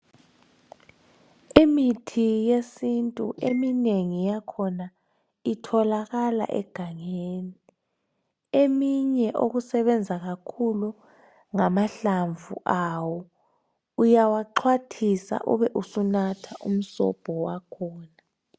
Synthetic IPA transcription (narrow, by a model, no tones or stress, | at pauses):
imitʰijesintʼṵʔemineŋijakʰɔna | itʰɔlaɣala̰ʔɛ̰ɡ̥ʱaŋeːni | emiɲɛʔo̰ɣusɛβɛnd͡zʱaɣakʰulu | ŋamaɬaɱvṵʔawɔ | ujawaǃʰwatʰisa̰ʔuβɛʔusunatʰaʔum̩sɔ̰b̥ʱɔwakʰɔːna